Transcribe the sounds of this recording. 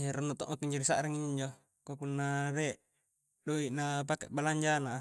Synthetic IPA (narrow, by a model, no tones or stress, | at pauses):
eɾonːut̪o̰ʔmakːiɲd͡ʒaɾisa̰ʔɾiŋiɲd͡ʒo | kokunːaɾeʔ | doiʔnapakḛʔbalaɲd͡ʒana